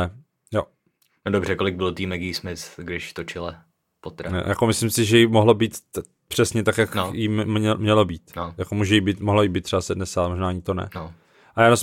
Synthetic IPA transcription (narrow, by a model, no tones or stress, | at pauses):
ɛ | jo | nodobrɛkolɪɡ̚bɪlt̪iːmɛɡiːsmɪsɡdɪʃt̪ot͡ʃɪlɛ | pot̪ɾɛo̰jakomɪslɪmsɪʒɛjɪmoɦlobiːt̪ | pr̝̥ɛsɲɛt̪akjakjɪɛmɲɛlobiːt̪nojakomuːʒɛjɪbiːt̪moɦlojɪbiːt̪ːrɛbasɛdnɛsaalɛmoʒnaːɲɪt̪onɛ̰no | ʔajaːnos